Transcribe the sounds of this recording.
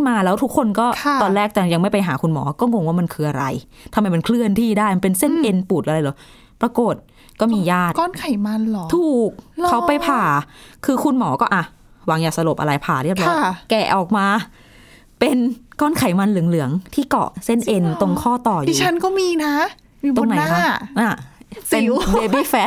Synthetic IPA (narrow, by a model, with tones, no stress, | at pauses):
maː˧lɛː˦˥wt̪ʰu˦˥kʰːo˧nkɔː˥˩˧ɔː˧nlɛː˥˩k̚t͡ɕa˧˩ja˧ŋma˥˩jpa˧jɦaː˩˦kʰu˧nmɔ̰ː˩˦kɔː˥˩ŋo˧ŋwaː˥˩ma˧nkʰɯː˧ʔa˧ɾa̰˧j | t̪ʰa˧mːa˧jma˧nkʰlɯ˥˩ənt̪ʰiː˥˩daː˥˩jm˧pe˧nse˥˩nʔe˧npuː˨˩ʔa˧ɾa˧jlɔː˨˦ | pɾa˧ko˨˩t̪̚ | kɔː˥˩miː˧jaː˥˩t̪̚kɔː˥˩nkʰa˨˩˦jma˧nlɔ˨˦tʰuː˨˩k̚ʰːa˦˥wpa˧jpʰaː˨˩kʰɯː˧kʰu˧nmɔː˩˦kɔː˥˩ʔa˨˩ | wa˨˦ŋjaː˨˩k̚sa˧lo˨˩p̚ʔa̰˧ɾa˧jpʰaː˨˩ɾi˥˩ə˩p̚lɔa˥˩kɛ˨˩ʔɔː˨˩k̚maː˧ | pe˧nkɔː˥˩nkʰa˨˦jma˧nlɯ˩˦ŋlɯ˨˩˦əŋt̪ʰiː˥˩kɔ̰˨˩se˥˩nʔe˧nt̪o˧ŋkʰɔː˥˩t̪ɔː˨˩jui˧˨˧t͡ɕʰa˦˥nkɔː˥˩miː˧na˦˥ | miː˧˩o˧ŋna˨˦n˦jaːa˦˥˩ʔaː˧˩se˧ndeː˧biː˥˩fɛ˦˥t̪̚